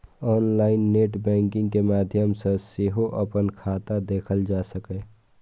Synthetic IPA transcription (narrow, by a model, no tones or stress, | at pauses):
ɔːnlaːɪnːeːʈbɛ̃ːŋkɪ̃ŋɡkemaːd̪ʱjəmsə̃seɦoʔəpənkʰaːt̪ad̪eːkʰəld͡ʒaːsəkɛ